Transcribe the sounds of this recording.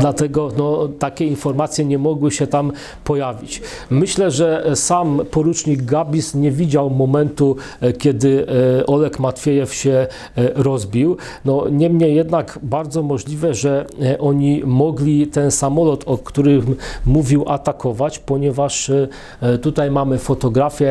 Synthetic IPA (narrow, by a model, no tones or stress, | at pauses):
d̪lat̪ɛɡɔnɔt̪akʲɛinfɔɾmat̪sʲjɛɲɛmɔɡwɘɕɛt̪am | pɔjavʲit͡ɕ | mɘɕlɛʐɛsampɔɾut͡ʂɲiɡɡabʲisɲɛvʲid͡ʑawmɔmɛnt̪u | kʲɛd̪ɘɔlɛkmat̪fʲjɛjɛfɕɛ | ɾɔzbʲiw | nɔɲɛmɲɛjɛd̪nakbaɾd̪zɔmɔʐlʲivɛʐɛʔɔɲimɔɡlʲit̪ɛnsamɔlɔt̪ɔkt̪uɾɘmuvʲiwʔat̪akɔvat͡ɕpɔɲɛvaʂ | t̪ut̪ajmamɘfɔt̪ɔɡɾafʲjɛ